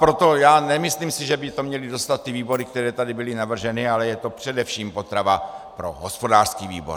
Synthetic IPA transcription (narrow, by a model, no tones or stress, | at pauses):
pɾot̪o̞jaːnɛmɪsliːmsɪʒɛbɪt̪o̞mɲɛlɪdo̞st̪at̪̚ːɪviːbo̞ɾɪk̚t̪ɛɾɛːt̪adɪbɪlɪnavr̩ʒɛnɪalɛjɛt̪o̞pr̝̥ɛdɛfʃiːmpo̞t̪ɾavapɾo̞̰ɦospo̞daːr̥skiːvḭːbo̰